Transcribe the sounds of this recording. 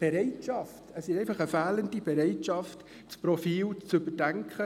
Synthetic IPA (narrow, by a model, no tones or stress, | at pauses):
b̥eɾɛɪtʃɑftəsɪʃɛɪfɑχəfæːləndib̥eɾɛɪtʃɑft | t͡sprofiːlt͡sʏbəd̥ɛŋkχə